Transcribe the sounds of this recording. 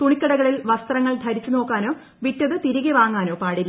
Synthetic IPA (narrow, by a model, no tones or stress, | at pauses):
t̪uɳikːɐɽɐɣɐɭilʋɐst̪rɐŋːɐɭd̪ʱɐɾit͡ɕːuno̞ːkːaːno̞ː | ʋitːɐðɨt̪iɾiɣeʋaːŋːaːno̞ːpaːɽilː